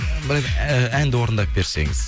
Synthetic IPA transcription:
bɪɾkænd̪ɪwoɾənd̪ɑp̚be̞ɾse̞̰ŋɪz̥

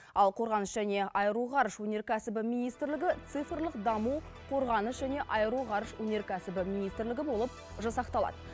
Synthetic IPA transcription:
ɑlˠqʰo̞ɾʁɑnəʃʒ̥æne̞ɑjəɾuʁɑɾəʃwɵne̞ɾkʲʰæsɪbɪmijnijst̪ɾlɪɡʲɪt̪sɨfrlˠəqd̪ɑmu | qʰo̞ɾʁɑnəʃʒæne̞ʔɑjəɾuʁɑɾəʃwɵne̞ɾkʲʰæsɪbɪminijst̪ɾlɪɡʲɪbo̞lˠəp̚ | ʒɑsɑqt̪ɑlˠɑ̰d̪ə

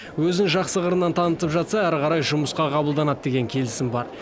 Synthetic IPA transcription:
wɵzɪŋʒɑqsəʁəɾənːɑnt̪ʰɑnət̪əpʒɑt̪sɑæɾqʰɑɾɑjʒʊməsqɑqʰɑbəlˠd̪ɑnɑt̪̚d̪e̞ɡʲe̞ŋkʲʰe̞lɪsɪmbɑɾ

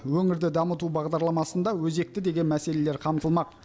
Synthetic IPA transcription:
wɵŋɪɾd̪ɪd̪ɑmət̪ubɑʁd̪ɑɾlˠɑmɑsənd̪ɑwɵze̞k̚t̪ɪd̪e̞ɡʲe̞nmæse̞le̞le̞ɾqʰɑmt̪əlˠmɑq̚

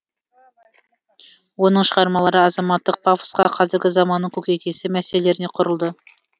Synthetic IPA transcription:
wo̞nəɴʃəʁɑɾmɑlˠɑɾəɑzɑmɑt̪ːəq̚pʰafsqɑqʰɑzɪɾɡʲɪzɑmɑnːəɴkʲʰɵkʲek̪ʲe̞sɪmæsele̞ɾɪne̞qʰʊɾəlˠd̪ə

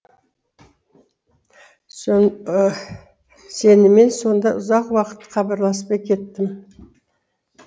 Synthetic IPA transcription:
se̞nɪme̞nso̞nd̪ɑʔʊzɑqwɑqə̥t̪ːqʰɑbɑɾlˠɑspɑkʲʰe̞t̪ːɪm

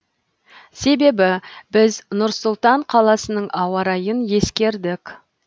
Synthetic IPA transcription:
se̞be̞bɪbɪznʊɾsʊlˠt̪ɑɴqʰɑlˠɑsənəɴɑwɑɾɑjənje̞skʲe̞ɾd̪ɪk

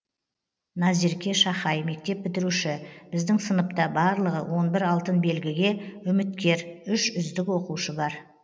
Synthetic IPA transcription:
nɑziɾkʲe̞ʃɑχɑjme̞k̚t̪e̞p̚bɪt̪ɪɾuʃɪbɪzd̪ɪŋsənəp̚t̪ɑbɑɾlˠəʁə̰wʔo̞nbɪɾɑlˠt̪ənbe̞lɡʲɪɡʲe̞ʏmɪt̪̚kʲe̞ɾʏʃʏzd̪ɪkwo̞quʃəbɑɾ

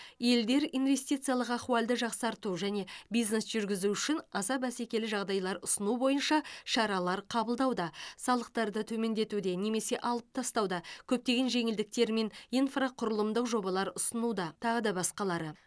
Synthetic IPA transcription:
je̞ld̪e̞ɾinve̞st̪ijt̪sɨjalˠəqɑχualʲd̪əʒɑqsɑɾt̪uʒæne̞bijzne̞sʒ̥ʏɾɡʲɪzuʏʃɪnɑzɑbæse̞kʲe̞lɪʒɑʁd̪ɑjlˠɑɾʊsənubo̞jənʃɑʃɑɾɑlˠɑɾqʰɑbəlˠd̪ɑwd̪ɑsɑlˠəq̚t̪ɑɾd̪ət̪ʰɵme̞nd̪e̞t̪ud̪e̞ne̞me̞se̞ʔɑlˠəp̚t̪ʰɑst̪ɑwd̪ɑkʲʰɵp̚t̪e̞ɡʲe̞nʒe̞ŋɪld̪ɪk̚t̪e̞ɾme̞nijnfraqʰʊɾəlˠəmd̪əqʒo̞bɑlˠɑɾʊsənud̪ɑt̪ʰɑʁəd̪ɑbɑsqɑlˠɑɾə

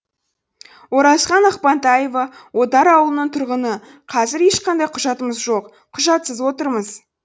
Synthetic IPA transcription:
wo̞ɾɑsqɑnɑqpɑnt̪ɑjevɑwo̞d̪ɑɾɑwlˠənəɴt̪ʰʊɾʁənə | qʰɑzɪɾeʃqʰɑnd̪ɑjqʰʊʒɑt̪əməzʒo̞q | qʰʊʒɑt̪səzwo̞t̪əɾməz

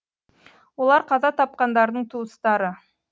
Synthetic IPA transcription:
wo̞lˠɑɾqʰɑzɑt̪ʰɑp̚qɑnd̪ɑɾd̪əɴt̪ʰuəst̪ɑɾə

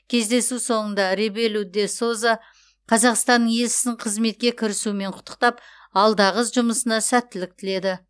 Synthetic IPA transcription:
kʲʰe̞zd̪e̞suso̞ɴənd̪ɑɾebe̞lud̪e̞so̞za | qʰɑzɑqst̪ɑnːəje̞lʃɪ̥sɪɴqʰəzme̞t̪̚kʲe̞kʲʰɪɾɪsume̞ɴqʰʊ̥t̪ʰːə̥q̚t̪ɑp | ɑlˠd̪ɑʁəsʒʊməsənɑsæt̪ːɪlɪk̚t̪ʰɪle̞d̪ɪ

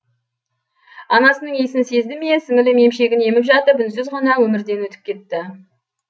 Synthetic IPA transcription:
ɑnɑsənəɴe̞sɪnse̞zd̪ɪmesɪŋɪlɪme̞mʃe̞ɡʲɪne̞mɪpʒɑt̪əpʏnsʏzʁɑnɑwɵmɪɾd̪e̞nwɵt̪ɪ̥p̚kʲʰe̞t̪ːɪ

